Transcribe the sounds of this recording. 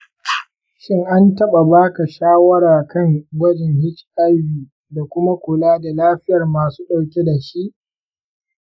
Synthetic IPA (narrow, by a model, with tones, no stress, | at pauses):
ʃɪ˦ŋʔa˦ntɐ˦ɓa˨baː˦ka˨ʃaː˦wɐ˦ɾaː˨kɐ˦˨ŋwɐ˦d͡ʒɪ˨ŋhɪ˦t͡ʃʔa˦jbiː˨ | da˨kʷʊ˦ma˦kʷʊ˨laː˦da˨laː˦ɸɪ˦jɐ˨rmaː˨suː˦ɗa˨wkʲe˦da˨ʃi˦ʔ